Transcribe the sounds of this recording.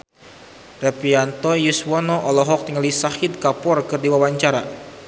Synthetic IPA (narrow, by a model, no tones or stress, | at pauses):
rɛpiant̪ɔjuswɔnɔʔɔlɔɦɔk̚t̪iŋalisahɪt̪̚kapɔrkɨrdiwawaɲt͡ʃaɾa